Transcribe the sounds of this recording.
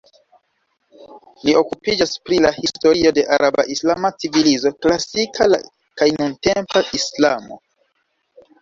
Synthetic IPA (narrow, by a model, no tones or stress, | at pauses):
lio̞kupid͡ʒaspɾilahisto̞ɾio̞de̞ʔaɾaba̰ʔislamat͡sivilizo̞klasikʰala̰ | kajnunte̞mpaʔislamo̞̰